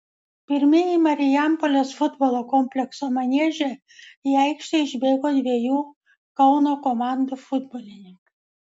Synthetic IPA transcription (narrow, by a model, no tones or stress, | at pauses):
pʲɪɾʲmʲɪjimɐɾʲɪjæmpolʲoːsfʊd̪bɔlˠoːkɔmʲpʲlʲɛksoːmɐnʲiɛʒʲe | iɛˑɪkʃʲt̪ʲɛɪɪʒʲbʲeːɡoːd̪ʲʋʲiɛjuː | kɐʊnoːkɔmɑˑnd̪ufʊd̪bɔlʲɪnʲɪŋkɐ